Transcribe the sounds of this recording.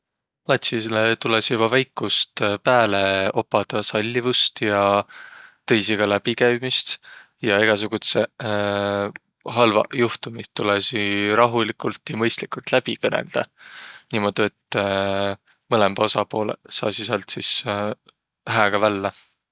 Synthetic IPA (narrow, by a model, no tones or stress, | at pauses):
lɑt̪ʲsislet̪ulesjub̥ɑvæjkˑːust̪pæːle̞o̞pːˑɑd̪̥ɑsɑlʲːivust̪jɑ | t̪ɤ̞jsiɡ̥ɑlæb̥ikæjmist̪ | jɑeɡ̥ɑs̬uɡ̥ut̪se | ɦɑlvɑ̰juht̪umit̪ːulesiɾɑɦulikult̪ːjɑmɤjst̪likˑult̪læb̥ikɤnḛld̪̥ɑniːmo̞d̪̥iet̪ˑː | mɤlemb̥o̞sɑpo̞ːlḛsɑ̰ːsisɑlt̪sis | hæːɡ̥ɑvælːɑ